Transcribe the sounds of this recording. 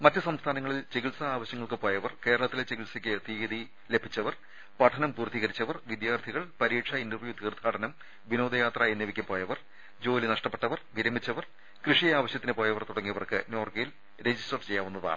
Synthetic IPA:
mɐtːɨsɐmst̪ʰaːnɐŋːɐɭilt͡ɕe̞ɣiɭsɐaːʋɐɕjɐŋːɐɭkɨpo̞ːjɐʋɐrke̞ːɾɐɭɐt̪ːilet͡ɕeɣiɭsɐkʲːɨt̪iːɣɐd̪i | le̞bʱit͡ɕːɐʋɐr | pɐʈʰɐnɐmpuːrt̪ːiɣɐɾit͡ɕːɐʋɐrʋid̪jaːrt̪ʰiɣɐɭpɐɾiːʈʂɐindɐrʋjut̪iːrd̪ʱaːʈɐnɐm | ʋino̞ːd̪ɐjaːt̪rɐenjeʋikʲːɐpoːjɐʋɐr | d͡ʑo̞ːlinɐʂʈɐpːe̞ʈːɐʋɐrʋiɾɐmit͡ɕːɐʋɐr | krɨʂijaːʋɐɕjɐt̪ːinɨpoːjɐʋɐrt̪uɽɐŋːijɐʋɐrkɨno̞ːrɡɐjil | ɾe̞d͡ʑisʈɐrt͡ɕe̞jːaːʋunːɐða̰ːɳɨ

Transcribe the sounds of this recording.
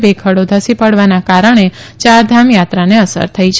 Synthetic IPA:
bekʰəɽod̪ʱəsipəɽʋanakaɾəɳ̃et͡ʃaɾd̪ʱamjat̪ɾaneəsə̰ɾt̪ʰəit͡ʃʰ

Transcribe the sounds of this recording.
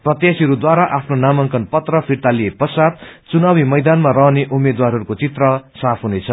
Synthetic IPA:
prʌt̪jasiʌɾud̪waɾaʔapʰnonamʌŋkʌnpʌt̪rʌpʰirt̪alijepʌsat̪̚t͡sunawimʌjd̪anmarʌɦneʔumed̪warɦʌɾukot͡sit̪rʌsapʰɦunet͡sʰʌ

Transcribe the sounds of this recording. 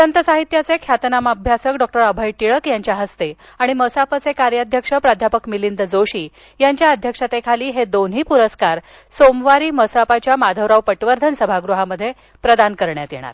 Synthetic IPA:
sənt̪əsaɦit̪jat͡sekʰjat̪namabʱjasəkɖɔk̚ʈəɾəbʱəjʈiɭəkjaɲt͡ɕjaɦəst̪e | aɽ̃iməsapat͡sekaɾjəd̪ʱjəkʂəpɾad̪ʱjapəkmilind̪əd͡zoɕiː | jaɲt͡ɕjaəd̪ʱjəkʂat̪ekʰaliːɦed̪onɦiːpuɾəskaɾ | somʋaɾiːməsapat͡ɕjamad̪ʱəʋɾawpəʈʋəɾd̪ʱənsəbʱaɡɾuɦaməd̪ʱːje | pɾəd̪ankəɾɳjat̪jḛɽ̃a̰ɾ

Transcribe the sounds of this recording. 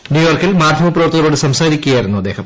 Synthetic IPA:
njuːjoːrkilmaːd̪ʱjɐmɐpːrɐʋɐrt̪ːɐɣɐɾoːɽɨsɐmsaːɾikʲːuɣɐjiɾunːuɐd̪ːe̞ːhɐm

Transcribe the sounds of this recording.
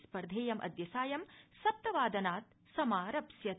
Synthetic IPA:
spɐɾd̪ʱeːjɐmʔɐ̰d̪jɐsaːjɐmsɐp̚t̪ɐʋaːd̪ɐnaːt̪̚ | sɐmaːɾɐpsjɐ

